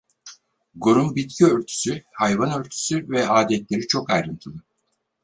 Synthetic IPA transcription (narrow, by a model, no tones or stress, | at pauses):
ɡoɾumbit̪̚cʰiøɾt̪ʰy̥syhajvanø̞ɾt̪ʰy̥syvɛaːd̪ɛt̪lʲe̞ɾit͡ʃʰo̞kajɾɯnt̪ʰɯlˠɯ